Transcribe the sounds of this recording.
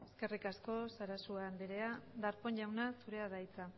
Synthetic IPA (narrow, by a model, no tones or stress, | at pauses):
e̞ske̞rikasko̞saɾasuand̪eɾe̞ad̪aɾpo̞nʝawnasuɾe̞aðajt͡sa